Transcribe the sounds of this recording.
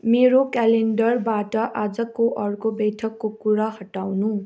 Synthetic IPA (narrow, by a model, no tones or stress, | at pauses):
meɾokaleɳɖʌrbaʈʌʔad͡zʌkoʔʌrkobʌjʈʰʌkːokuɾaɦʌʈawnu